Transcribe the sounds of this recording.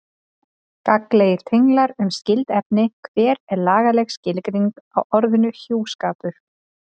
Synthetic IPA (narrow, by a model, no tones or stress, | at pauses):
kakleːjɪɾ̥t̪ʰejŋklaɾʏmscɪlt̪ɛp̚nɪkʰvɛːɾɛɾlaːɣalɛxscɪlkɾiŋkawʔɔɾðʏnʏçuːwskaːpʏ